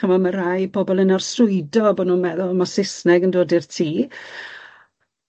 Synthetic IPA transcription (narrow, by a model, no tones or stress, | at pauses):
əmaməɾajbɔbɔlˠənarsrʊɨdɔbɔdnuːnmɛðʊlˠmasɪsnɛɡəndoːdɪrtʰiː